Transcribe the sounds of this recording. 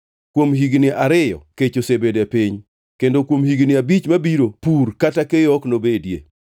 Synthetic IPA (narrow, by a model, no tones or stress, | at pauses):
kwomɦiɡnɪʔaɾɪjɔ̰ket͡ʃosebedepiɲ | kendokwomhiɡnɪabit͡ʃmabiɾopuɾkatakejɔknobedjḛ